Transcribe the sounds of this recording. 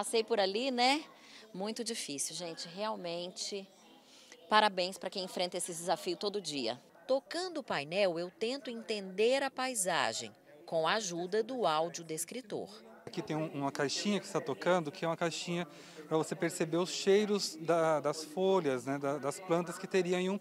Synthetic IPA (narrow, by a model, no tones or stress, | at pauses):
pasejpʊɾalinɛ | mũj̃t̪ʊd͡ʒifisiwʒẽnt͡ʃɪɦeawmẽnt͡ʃɪ | paɾabẽj̃spɾɐkẽj̃ẽfɾẽnt̪ɐesɪd͡ʒɪzafiʊt̪od̪ʊd͡ʒiɐ̰ | t̪okɐ̃nd̪ʊːpajnɛwewt̪ẽnt̪ʊẽnt̪ẽnd̪eɾɐpajza̰ʒḛ̃j̃ | kõw̃aaʒud̪ɐd̪ʊawd͡ʒiʊd̪eskɾit̪o̰ɾ | akit̪ẽj̃ũũmɐkajʃĩɲɐkɪ̥st̪at̪okɐ̃nd̪ʊkɪɛũmɐkajʃĩɲɐ | pɾɐvosepeɾsebeɾʊsʃejɾʊzd̪ɐd̪ɐsfoljɐznɛd̪ɐd̪ɐsplɐ̃nt̪ɐskɪt̪eɾiɐ̃iũ